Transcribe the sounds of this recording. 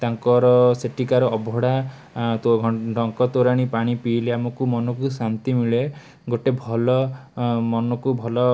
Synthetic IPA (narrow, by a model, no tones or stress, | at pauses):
t̪aŋkɔɾɔseʈʰikaɾɔɔbʱɔɽa | t̪ɖɔŋkɔt̪oɾaɽ̃ipaɽ̃ipileamɔkumɔnɔkusant̪imiɭe | ɡoʈebʱɔlɔmɔnɔkubʱɔlɔ